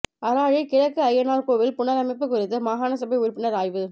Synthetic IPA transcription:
ɐɾaːɻikɪɻɐkːɯɐjːɐnaːlkoːʋɪlpʊɳɐɾɐmɪp̬ːɯkːʊɾɪt̪ːɯmaːɦaːnɐsɐbɛɪʊɾpːɪnɐɾaːjʋɯ

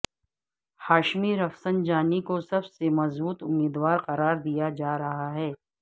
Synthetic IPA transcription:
haːʃmiɾɐfsənd͡ʒaːnikosɐbsemɐzbuːt̪ʊmːiːd̪waːɾqɐɾaːɾd̪ijad͡ʒaːɾɐɦaɦɛː

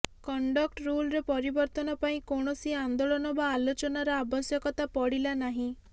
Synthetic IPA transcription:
kɔɳɖɔk̚ʈɾulɾepɔɾibɔɾt̪ɔnɔpaĩkoɳ̃ɔsiand̪oɭɔnɔbaːlot͡ʃɔnaɾɔabɔsjɔkɔt̪apɔɽilanaɦĩ

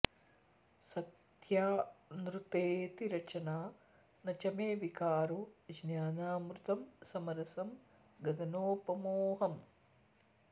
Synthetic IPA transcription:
sɐt̪ | jaːnɾut̪eːt̪iɾɐt͡ʃɐnaː | nɐt͡ʃɐmeːʋikaːɾud͡ʒnjaːnaːmɾut̪ɐmsɐmɐɾɐsɐm | ɡɐd̪ɐnoːpɐmoːɦɐm

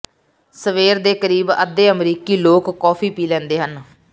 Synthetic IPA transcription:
səʋeːɾd̪eːkəɾiːbə̰d̪eːəmɾiːkiːloːkːɔːpʰiːpiːlɛ̃ːnd̪eːɦən

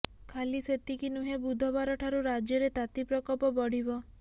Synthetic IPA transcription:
kʰaliset̪ikinuɦebud̪ʱɔbaɾɔʈʰaɾuɾad͡ʒjɔɾet̪at̪ipɾɔkɔlpɔbɔɽ̤ibɔ

